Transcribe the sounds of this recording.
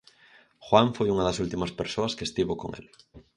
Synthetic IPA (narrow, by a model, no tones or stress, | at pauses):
xwaɱfojuŋaðasult̪imaspeɾsoaskest̪iβoko̰ŋḛl